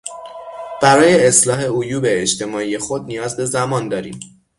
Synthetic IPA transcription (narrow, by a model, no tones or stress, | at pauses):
b̥æɾɒːje̞ːslɒːɦe̞ojuːbe̞ːʃt̪ʰe̞mɒːiːje̞xo̞d̪̚nijɒːzbe̞zæmɒːnd̪ɒːɾḭːm